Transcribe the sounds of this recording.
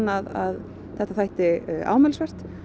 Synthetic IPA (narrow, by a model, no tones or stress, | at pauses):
naða̰ð | θɛht̪aθajht̪ɪa̰ːwmɛːlsvɛr̥t̪